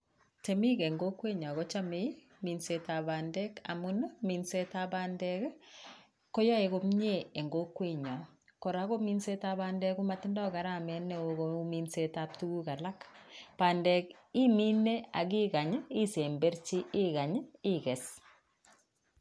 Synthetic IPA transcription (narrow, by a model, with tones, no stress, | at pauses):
te˨mi˦ke˨ŋɡo˦kwe˦ɲɔ˨a˨ɣɔ˦t͡ʃa˦me˦ | mi˨nse˦ta˨ba˨ndɛ˦ka̰˨mu˦nmi˨nse˦ta˦ba˦ndɛ˦k | kɔ˦ja˦e˨ɣo˦mɲe˦e˨ŋɡo˦kwe˦ɲɔ˨kɔ˨ɾa˨˦kɔ˦mi˦nse˦ta˦ba˦ndɛ˦ku˦ma˦ti˦ndɔ˦ɡa˨ɾa˦mɛ˨nɛ˦o˨ɣo˦mi˦nse˦ta˦p̚tu˦ɡu˦ka˨la˦kpa˨ndɛ˨k | i˦mi˦ne˦a˨ɣi˦ɡa˨ɲi˦se˨mbe˦ɾt͡ʃi˦ʔɪ˦ɣa˨ɲi˦kɛ˨s